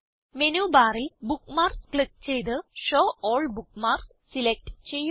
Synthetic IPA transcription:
menubaːrilbukːmaːrskɭik̚t͡ɕejt̪̬ɨʂoːʔoːɭbukːmaːrs | silek̚ʈt͡ɕe̞jːu

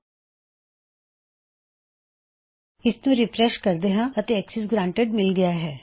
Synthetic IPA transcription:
ɪsnũːɾɪpɾɛʃkəɾd̪eɦãːət̪eːɛksɛs̬ɡɾãːɳʈeɖmɪlɡɪjaːɦɛː

